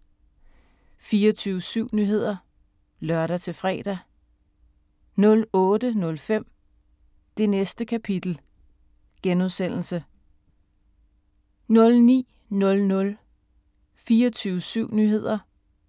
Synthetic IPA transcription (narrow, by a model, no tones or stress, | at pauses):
fiːɒt͡sʰyːʊəsyʊ̰nyːɦe̝ð̞̰ˠɐ | lɶɐɾæt͡sʰe̝fʁɛ̰ːd̥æ | nɔ̽lɔ̽ːd̥ənɔ̽lfem̰ | d̥e̝nesd̥əkʰæpʰid̥l̩ | ɡ̥enuðˠsen̰l̩sə | nɔ̽lnḭː | nɔ̽lnɔ̽l | fiːɐt͡sʰyːʊəsyʊ̰nyːɦe̝ð̞̰ˠɐ